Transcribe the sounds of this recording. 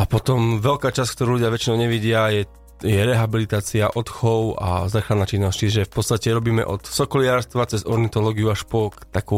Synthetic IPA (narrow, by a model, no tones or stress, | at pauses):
apɔt̪ɔmʋɛlkaːt͡ʃask̚t̪ɔɾuːluɟɪaʋɛt͡ʃinɔʊɲɛʋiɟɪajɛ | jɛɾɛɦabilit̪aːt͡siaʔɔt̪xɔʊa̰zaːxɾad̪naːt͡ʃinːɔsct͡ʃiʒɛfpɔt̪t͡sst̪acɛɾɔbiːmɛ̰ʔɔ̰t̪sɔkɔlɪaːɾst̪ʋat͡sɛzɔɾnit̪ɔlɔːɡiuaʃpɔt̪aku